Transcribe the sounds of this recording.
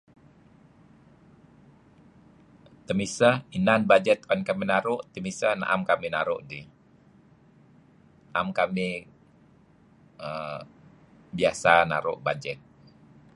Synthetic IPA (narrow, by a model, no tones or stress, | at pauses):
t̪əmisainanbad͡ʒɛt̪ɔnkaminaɾʊʔt̪əmisahna̰ʔamkaminaɾʊʔdi | aʔamkami | ə | biasana̰ɾʊ̰ʔbad͡ʒɛt̪̚